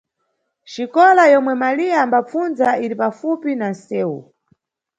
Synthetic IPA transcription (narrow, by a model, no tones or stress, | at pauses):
ʃikɔlajɔmwɛmalijaːmbap͡funzaiɾipafupinansɛːṵ